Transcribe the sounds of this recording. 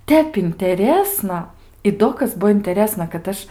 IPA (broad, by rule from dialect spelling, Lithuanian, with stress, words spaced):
ˈtʲɛp ɪnʲtʲɛˈrʲeːsnɐ ɪ ˈdoː kɐs ˈbuɔ ɪnʲtʲɛˈrʲeːsnɐ kɐt ˈɐʃ